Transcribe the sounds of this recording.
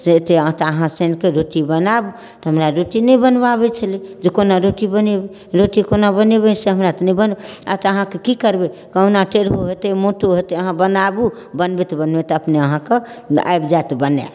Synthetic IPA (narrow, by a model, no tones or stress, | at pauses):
set̪eət̪əɦãsenkeɾoʈibənabu | t̪ɦəmɾaɾoʈinəjbənbabɛt͡ʃʰəlid͡ʒekonaɾoʈibənebe | ɾoʈikonabənebɛseɦəmɾat̪ɔnəibənbea̰t̪əɦãkekikəɾbekənaʈeɾɦoɦet̪emoʈoɦot̪eəɦãbənabu | bənbet̪bənbet̪əpneəɦãke | a̰jbd͡ʒat̪bənḛ